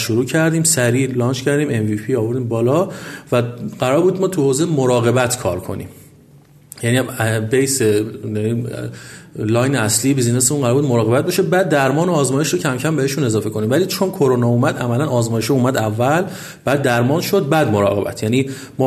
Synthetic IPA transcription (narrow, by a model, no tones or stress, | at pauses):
ʃoɾuːcʰæɾd̪iːmsæɾiːlɒːnt͡ʃʰcʰæɾd̪iːme̞nvipʰiɒːvo̞ɾd̪iːmbɒːlɒːvæɢ̥æɾɒːɾbuːd̪mɒːt̪ʰuhoːzemoɾɒːɣe̞bæt̪ʰkʰɒ̰ːɾkʰo̞̰nḭːm | jæniːbejsejæniː | lɒːjneæsliːebiːzneseunɢæɾɔɾbud̪moɾɒːɣe̞bæt̪̚beʃebæːd̪ːæɾmɒːnoːzmɒːje̞ʃɾɔːcʰæmcʰæmbeheʃune̞zɒːfe̞kʰo̞niːmvæliːt͡ʃʰonkʰoɾonɒːuːmæd̪æmælænɒːzmɒːjeʃɔuːmæd̪ævːæl | b̥æːd̪ːæɾmɒːnʃo̞d̪̚bæd̪mo̞ɾɒ̰ːɣe̞bæ̰t̪ʰjæniː | m